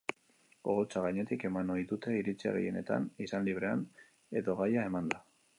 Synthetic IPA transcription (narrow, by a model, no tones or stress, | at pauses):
oɣot͡saɣaɲe̞t̪ike̞manoijðut̪e̞iɾit͡sia̰ɣḛje̞̰ne̞t̪a̰nisanliβ̞ɾe̞an | e̞ðo̞ɣajae̞mand̪a